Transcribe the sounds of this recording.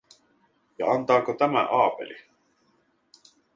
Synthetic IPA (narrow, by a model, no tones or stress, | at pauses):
jɑɑnt̪ɑːkot̪æmæ̰ʔɑːpḛli